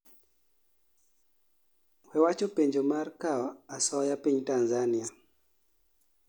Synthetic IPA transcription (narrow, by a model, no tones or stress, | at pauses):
wɛwat͡ʃopeɲd͡ʒomarkaasɔjapiɲtanzania